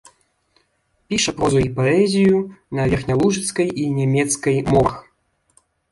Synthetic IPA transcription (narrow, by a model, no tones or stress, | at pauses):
pʲiʂɐpɾɔzuipɔɛzʲijunɐvʲɛrxnʲalˠuʐɨt̪skɐjinʲɛmʲɛt̪skɐjmɔx